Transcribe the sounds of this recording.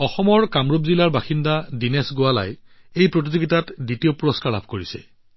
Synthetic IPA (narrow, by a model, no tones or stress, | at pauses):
ɔxɔmɔɹkamɹupzilaɹbaxindadinɛsɡʊala̰j | ejpɹot̬izoɡitatditiopuɹɔskaɹla̰bʰʱkoɹisɛ̰